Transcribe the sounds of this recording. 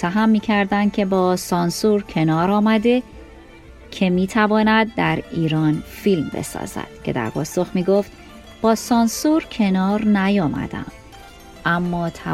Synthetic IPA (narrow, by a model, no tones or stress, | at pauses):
t̪ʰːæɦæmːiːcʰæɾd̪ænd̪̥̚cʰe̞bɒːsɒːnsuːɾcʰe̞nɒːɾɒːmæd̪e̞ | cʰe̞miːt̪ʰævɒːnæd̪̚ːæɾiːɾɒːnfilmbe̞̰sɒ̰ːz̥æ̰d̪̥cʰe̞̰d̪æ̰ɾpʰɒːso̞xmiːɡo̞ft̪ | b̥ɒːsɒːnsuɾcʰe̞nɒːɾnæjɒːmæ̰d̪æ̰m | ʔæmːɒːt̪ʰæ